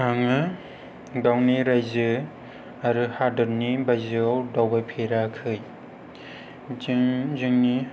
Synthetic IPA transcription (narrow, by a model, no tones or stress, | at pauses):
aŋɯ | ɡawniɾajzɯ | aɾɯhadɯɾnibajzɯawdawbajpʰeɾakʰɯj | zɯŋzɯŋni